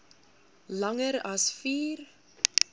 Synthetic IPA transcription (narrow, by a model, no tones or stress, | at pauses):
lɐŋəɾɐsfiːr